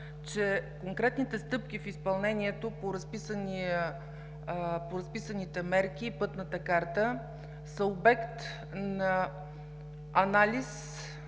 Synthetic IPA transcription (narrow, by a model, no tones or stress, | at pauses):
t͡ʃɛkoŋkɾɛt̪nit̪ɛst̪ɤp̚k̟ifispɐlˠnɛniɛt̪opoɾɐspisəniə | poɾɐspisənit̪ɛmɛɾk̟ʲipɤt̪nət̪əkaɾt̪ə | səobɛkt̪ | nɐ | ɐnalʲis